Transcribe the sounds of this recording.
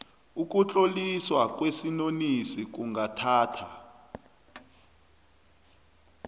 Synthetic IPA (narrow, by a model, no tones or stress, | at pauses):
uk̬ʼut͡ɬʼoliswak̬ʼwesinonisik̬uŋatʰaːtʰa